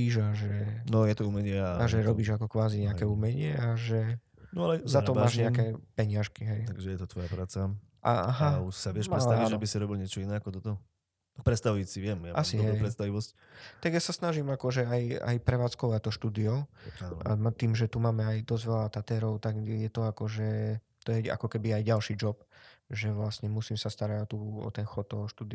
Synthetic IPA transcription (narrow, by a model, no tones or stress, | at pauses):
iʒaʒɛnɔjɛt̪ɔumɛɲɪɛaaʒɛɾɔbiːʒakɔkʋaːziɲɛakɛuːmɛɲɪɛaʒɛ | nɔalɛzaɔmmaːʒɲɛakɛpɛɲɪaʃkiɦɛjt̪aɡʒɛjɛt̪ɔt̪ʋɔjapɾaːt͡sa | ʔaaɦauʃsaʋɪɛʃɾɛtst̪aʋiʒabisiɾɔbilɲɪɛt͡ʃɔinɛakɔt̪ɔt̪ɔ | ak̚pɾɛt̪st̪aʋuisiʋɪɛmjaʔassiɦɛɛjpɾɛt̪st̪aʋiʋɔsc | t̪aɡjasasnaʒimakɔʒɛaja̰jpɾɛʋaːt͡skɔʋact̪ɔʃt̪uːd̪iɔʊaa̰mat̪iːmʒɛt̪umaːmɛajd̪ɔzʋɛlat̪at̪ɛːɾɔʊt̪aɡjɛt̪ɔakɔʒɛ | t̪ɔjɛa̰kɔkɛbiajɟalʃiːd͡ʒɔpʒɛʋlasɲɛmusiːmsast̪aɾaɟɔt̪uɔ̰t̪ɛnxɔt̪t̪ːɔɦɔʃt̪uːd̪i